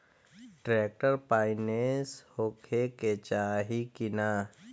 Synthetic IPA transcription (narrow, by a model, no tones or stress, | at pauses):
ʈɾeːk̚ʈəɾpaːɪneshoːkʰeket͡ʃaːɦikɪnaː